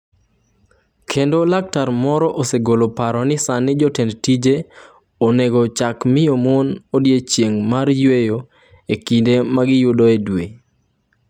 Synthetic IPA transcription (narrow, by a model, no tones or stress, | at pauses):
kʰendolak̚taɾmɔɾɔʔoseɡolopaɾɔnɪsanːɪd͡ʒɔtendtid͡ʒe | oneɡɔt͡ʃakmɪjomonodjet͡ʃjeŋmarjwejo | ekindemaɡɪjʊdoedwe